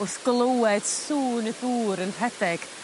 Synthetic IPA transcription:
ʊθɡ̥lˠowɛd̥suːnəðuːɾənrɛdɛɡ̥

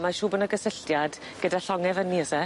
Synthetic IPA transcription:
maʃuːbənəɡəsəɬtjad | ɡ̥ədaɬɔŋɛvənːiəsɛ

